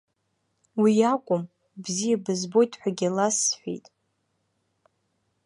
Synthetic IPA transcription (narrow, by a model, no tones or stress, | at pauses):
wijakʷʼʊm | bzijabɨzbo̞jtʰʼħʷᶣaɡʲalasːħʷᶣḭjtʼ